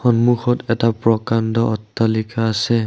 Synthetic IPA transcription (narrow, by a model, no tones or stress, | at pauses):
xɔnmuxɔtɛtapɹɔkandɔʔɔtːalikaːsɛ